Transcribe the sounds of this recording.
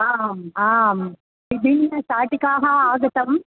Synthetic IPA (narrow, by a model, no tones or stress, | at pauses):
aːmaːm | ɪbɪnːɐsaːʈːɪkːaːɣɐaːɣɐt̪ːɐm